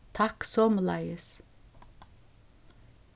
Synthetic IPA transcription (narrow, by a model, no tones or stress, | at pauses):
t̪ʰɑksɔmlɑ̰ɪəs